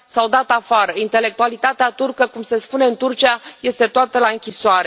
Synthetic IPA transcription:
sawd̪at̪afaɾəint̪e̞le̞k̚t̪ualit̪at̪eat̪urkəkumse̞spune̞ɨnt̪urt͡ʃiaje̞st̪e̞t̪oat̪əlaɨŋkʲisoaɾe

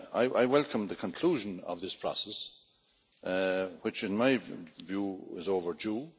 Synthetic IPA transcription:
a̰ɪʔaɪwɛlˠkʰə̃mðəkʰə̃nkʰl̥uːʒə̃nʌ̰vðɪspʰɹ̥ɔ̰sɛs | wɨt͡ʃɪ̃nmaɪvjuːɪ̰zoʊvə˞d͡ʒu

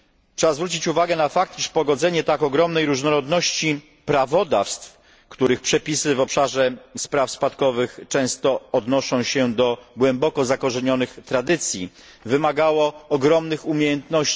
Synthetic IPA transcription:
ʂɛbazvɾut͡ɕit͡ɕuvaɡɛnafak̚t̪iʂpɔɡɔd̪zɛɲɛt̪akɔɡɾɔmnɛjɾuʐnɔɾɔd̪nɔɕt͡ɕi | pɾavɔd̪a̰fst̪f | kt̪uɾɘxpʂɛpʲisɘvɔpʂaʐɛspɾafspat̪kɔvɘxt͡ʂɛ̃w̃st̪ɔːd̪nɔʂɔ̃w̃ɕɛd̪ɔɡwɛmbɔkɔzakɔʐɛɲɔnɘxt̪ɾad̪ɘt̪sʲjḭ | vɘmaɡawɔːɡɾɔmnɘxumʲjejɛnt̪nɔɕt͡ɕ

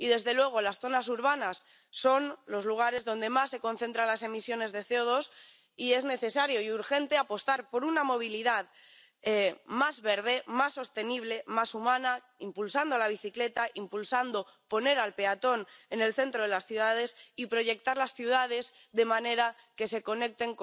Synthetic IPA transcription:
iðe̞zðe̞lwe̞ɣ̞o̞lasθo̞nas̬uɾβ̞anasː | o̞nlo̞zluɣ̞aɾe̞zðo̞nd̪e̞masːe̞ko̞nθe̞nt̪ɾanlase̞misjo̞ne̞zðe̞θeoð̞o̞s | ie̞zne̞θe̞saɾjo̞iuɾxe̞nt̪eapo̞st̪aɾpo̞ɾunamo̞β̞iliðað | emazβe̞ɾð̞e̞masːo̞st̪e̞niβ̞le̞masumãna | impulsand̪olaβ̞iθikle̞t̪aʔimpulsand̪o̞po̞ne̞ɾalpe̞at̪o̞ne̞ne̞lθe̞nt̪ɾoðelasθjuð̞að̞e̞sipɾo̞ʝe̞k̚t̪aɾlasθjuð̞að̞e̞z | ðe̞mãne̞ɾa | ke̞se̞ko̞ne̞k̚t̪e̞ŋk

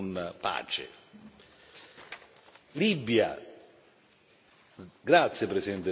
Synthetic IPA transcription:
npa̰ːt͡ʃḛ | libja̰ | ɡɾat̪sːjepɾesiɛnt̪e

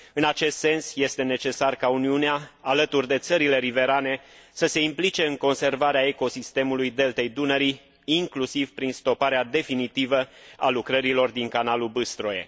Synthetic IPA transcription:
ɨnat͡ʃe̞st̪se̞nsje̞st̪e̞ne̞t͡ʃe̞sarkauniuneaːlət̪urʲd̪e̞t̪səɾile̞ɾive̞ɾane̞səse̞implit͡ʃe̞ɨŋko̞nse̞rvaɾeae̞ko̞sist̪e̞mulujd̪e̞lt̪e̞jd̪unəɾi | iŋklusivpɾinst̪o̞paɾead̪e̞finit̪ivəa̰lukɾəɾilo̞rd̪iŋkanalubɨst̪ɾoe̞̰

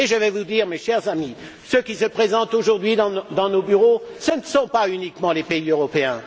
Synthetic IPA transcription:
eʒəvɛvud̪iːʁmeʃɛʁzami | søkʲisəpχezɑ̃t̪oʒuʁd̪ɥid̪ɑ̃d̪ɑ̃nobyʁosənəsɔ̃paynikmɑ̃lepeiøʁɔpeɛ̃

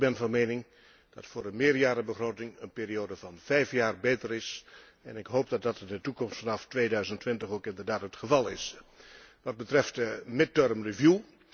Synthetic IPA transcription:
bɛnvɑnmeːnɪŋ | d̥ɑ̰tfʊːrdəmɪːrjaːɾəbəχroːtɪŋənpɪːɾioːdəvɑnv̥ɛjfjaːrbeːtərɪs | ɛ̰nɪkɦowp̚dɑt̚dɑtɪndətukɔmstfɑnɑftʋeːdœɥzəntʋɪntəχowkɪndərdaːtɦətχəvɑlˠɪs | ʋɑd̚bətrɛftmɪt̚ørmrivju

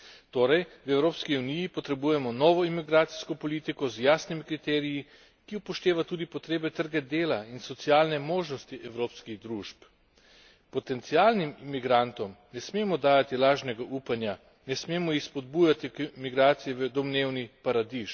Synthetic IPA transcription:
t̪oːɾɛjwɛwɾoːpskiunijipɔt̪ɾɛbuːjɛmɔnɔːʋɔimiɡɾaːt̪si̥skɔpɔliːt̪ikɔzjaːsnimikɾit̪ɛːɾiji | kiupɔʃt̪eːʋat̪uːd̪ipɔt̪ɾeːbɛt̪əɾɡad̪eːlainsɔt̪siaːlnɛmoːʒnɔst̪iʔɛwɾoːpskiɣd̪ɾuʃp | pɔt̪ɛnt̪sialnimimiɡɾant̪ɔmnɛsmeːmɔd̪aːjat̪ilaːʒnɛɡaʔuːpanja | nɛsmeːmɔjixspɔd̪bujat̪imiɡɾaːt̪sijɛʋəd̪ɔmneːwnipaɾad̪iʃ

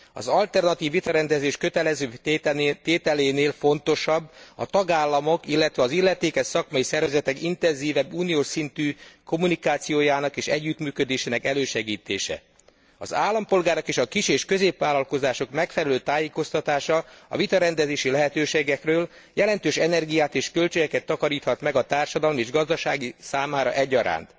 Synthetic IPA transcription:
ɒ̰zɒlt̪ɛrnɒt̪iːvːit̪ɒɾɛnd̪ɛzeːʃkøt̪ɛlɛzøːt̪eːt̪ɛleːneːlfo̞nt̪o̞ʃɒbːɒ̰t̪ɒɡaːlːɒmo̞kilːɛt̪ʋɛɒzilːɛt̪eːkɛʃsɒkmɒjisɛrvɛzɛt̪ɛkint̪ɛnziːvɛbːuːnijoːʃsint̪yːko̞munikaːt̪sijoːjaːnɒkeːʃɛɟːyt̪myːkø̞d̪eːʃeːnɛkɛløːʃɛɡiːt̪ḛːʃɛ̰ | ɒ̰zaːlːɒmpo̞lɡaːɾo̞keːʃɒkiʃeːʃkø̞zeːpʋaːlɒlko̞zaːʃo̞kmɛkfɛlɛløːt̪aːjeːko̞st̪ɒt̪aːʃɒɒ̰vit̪ɒɾɛnd̪ɛzeːʃilɛɦɛt̪øːʃeːɡɛkrøːl | jɛlɛnt̪øːʃɛnɛrɡijaːt̪eːʃkølt͡ʃøɡɛkɛt̪ːɒkɒɾiːt̪hɒt̪mɛɡɒt̪aːrʃɒd̪ɒlmieːʒɡɒzd̪ɒʃaːɡisaːmaːɾɒ̰ʔɛɟːɒɾa̰ːnt̪

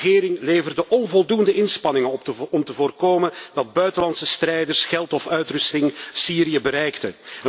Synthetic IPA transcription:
ɣɪːɾɪŋleːjvərdəʔɔnvɔlˠdundəʔɪnspɑnɪŋəɔmtəvoːrkoːmənd̥ɑd̚bœɥtəlɑntsəstrɛjdərsxɛlˠtɔfœɥtrʏstɪŋsiːɾiəbəɾɛjktə̰ə

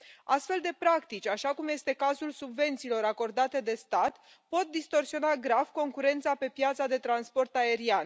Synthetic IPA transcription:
ast̪fe̞ld̪e̞pɾakt̪it͡ʃʲaʃakumje̞st̪e̞kazulsubve̞nt̪siːlo̞ɾako̞rd̪at̪e̞d̪e̞st̪at̪ | po̞t̪̚d̪ist̪o̞rsio̞naɡɾav̥ko̞ŋkuɾe̞nt̪sape̞pjat̪sad̪e̞t̪ɾanspo̞rt̪ae̞ɾian

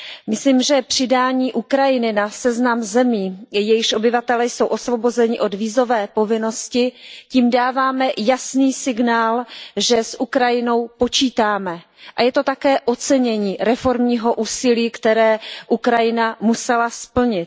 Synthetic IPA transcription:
mɪsliːmʒɛpr̝̥ɪdaːɲiːʔukɾajɪnɪnasɛznamzɛmiːjɛjɪʃʔo̞bɪvat̪ɛlɛjso̞wʔo̞svo̞bo̞zɛɲɪʔo̞dviːzo̞vɛːpo̞vɪno̞scɪciːmdaːvaːmɛjasniːsɪɡnaːlʒɛsʔukɾajɪno̞wpo̞t͡ʃiːt̪aːmɛ | ʔajɛt̪o̞t̪akɛːʔo̞t͡sɛɲɛɲiːɾɛfo̞ɾmɲiːɦo̞ʔuːsɪliːkt̪ɛɾɛːʔukɾajɪnamusɛlaspl̩ɲɪt̪̚

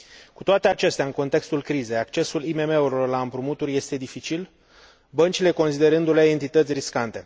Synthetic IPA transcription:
ku̥t̪oat̪e̞at͡ʃe̞st̪aɨnko̞nt̪e̞kst̪ulkɾize̞jakt͡ʃe̞sulimeme̞uɾilo̞rlaɨmpɾumut̪urʲje̞st̪e̞d̪ifit͡ʃil | bənt͡ʃile̞ko̞nsid̪e̞ɾɨnd̪uleent̪it̪ət̪sʲriskant̪e̞

